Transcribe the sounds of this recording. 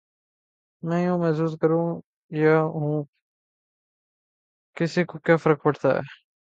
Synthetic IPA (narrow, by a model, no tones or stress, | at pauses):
mɛ̃ːjũːmɛːsuːzkəɾũː | jaːɦũː | kɪsikokjaːfəɾək̚pəʈt̪a̰ːɦɛ̰ː